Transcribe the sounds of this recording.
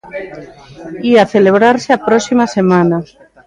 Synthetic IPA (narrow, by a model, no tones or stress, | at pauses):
iaθeleβ̞ɾaɾseapɾɔsimasemãna